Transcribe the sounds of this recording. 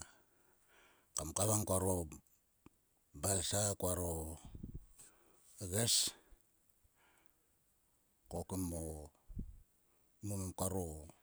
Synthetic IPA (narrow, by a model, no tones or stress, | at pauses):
kamkaβaŋkʷaɾo | balsakwaɾo | eɣes | kokimo | mumamkaɾo